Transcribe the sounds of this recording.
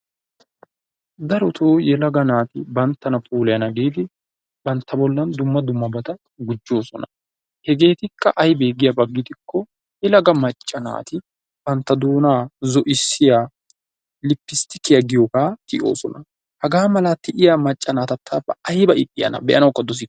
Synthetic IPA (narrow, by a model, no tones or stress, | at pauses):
d̪ɐɾɔt̪ʰoːjɛlɐɡɐnaːt̪ɪbɐnt̪ːɐnɐpʼuːlɛjɐnɐɡeːt̪ɪ | bɐnt̪ːɐbɔlːɐnd̪ʊmːɐd̪ʊmːɐbɐt̪ɐ | ɡʊd͡ʒːo̞ːsɔnɐ | hɛɡe̞ːt̪ɪkːɐʔɐjbe̞ːɡɪjɐbɐɡːɪt̪ɪkːɔ | jɛlɐɡɐmɐt͡ʃʼːɐna̰ːt̪ɪ | b̥ɐnt̪ːɐd̪uːnaːzɔʔɪsːɪjaː | lɪpːɪst̪ɪkːɪjɐɡɪjɔkaːt̪ɪʔo̞̰ːsɔnɐ | hɐɡaːmɐlat̪ɪʔɪjamɐt͡ʃʼːɐnaːt̪ɐt̪ʰːabɐɐjbɐʔɪkʼːɪjɐ̰nɐ̰bɛʔɐnɐwkːɐd̪ɔs̬ɪkː